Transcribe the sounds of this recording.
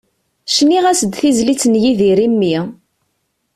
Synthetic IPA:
ʃniʁæsəd̪θizlit͡sːnjiðiɾimːi

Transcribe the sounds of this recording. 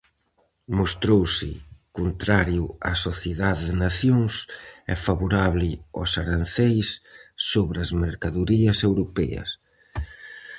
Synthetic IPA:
most̪ɾowsɪ̰kont̪ɾaɾjʊa̰soθjeðaðeðɪnaθjoŋsɛ̰faβoɾaβlɪɔ̰saɾanθejsːoβɾɐzmeɾkaðuɾiɐsewɾopɛ̰ɐ̰s

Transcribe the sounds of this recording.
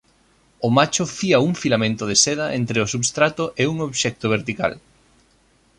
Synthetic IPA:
ʊmat͡ʃʊfiɐuŋfilamẽnt̪ʊð̞eseð̞ɐʔent̪ɾeʊsuβst̪ɾat̪ʊʔeuŋoβʃɛk̚t̪oβeɾt̪ika̰l

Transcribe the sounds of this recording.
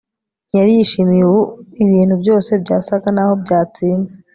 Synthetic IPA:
jaɾijiʃimiwuiβiːn̥hubjo̞ːse̞bɟaːsaɡanaho̞bɟaːt͡siːnze

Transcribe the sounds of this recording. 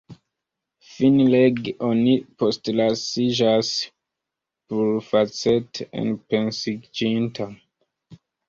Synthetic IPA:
finleɡonipo̞stlasid͡ʒas | puɾfat͡setḛnpe̞nsid͡ʒintʰa

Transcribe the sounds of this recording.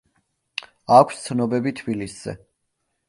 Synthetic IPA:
akʷʰst̪sʰnɔbɛbit̪ʰbilisz̥ɛ̰

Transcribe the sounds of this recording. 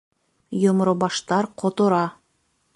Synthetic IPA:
jomɾɤbɑʃt̪ɑɾqʰot̪ŏɾɑ

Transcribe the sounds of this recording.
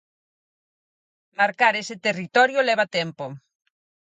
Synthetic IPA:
maɾkaɾesɪt̪erit̪ɔɾjolɛβat̪ɛmpo

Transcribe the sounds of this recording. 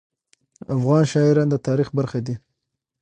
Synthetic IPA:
afɣɑnʃɑɪɾɑnd̪ət̪ɑɾixbaɾxad̪i

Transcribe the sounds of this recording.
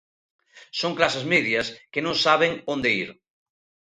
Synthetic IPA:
soŋklasezmɛðjɐskenõŋsaβeŋõnd̪eiɾ

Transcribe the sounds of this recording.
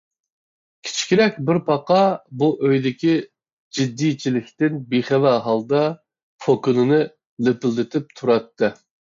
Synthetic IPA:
kʲʰi̥t͡ʃʰi̥kʲiɾɛkʲbɪɾpʰɑqɑbuʔøjd̪ɪkʲi | d͡ʒid̪ːijt͡ʃʰilɪkʲt̪ɪnbiχɛvæɦɑlˠd̪ɑ | pʰokʊnɨnɨ | lepɪld̪ɪt̪ʰɪp̚t̪ʰuɾɑt̪ːɨ

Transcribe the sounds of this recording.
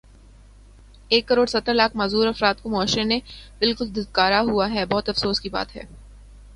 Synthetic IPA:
eːkːɐɾoːɖsɐt̪ːəɾlaːk̚ʰmaːzuːɾɐfɾaːt̪̚komɔːʃɾenẽbɪlkʊld̪ɪd̪̚kaːɾaɦuaɦɛbɔɦʊt̪ɐfsoːskiba̰ːt̪ɦɛ̰ː

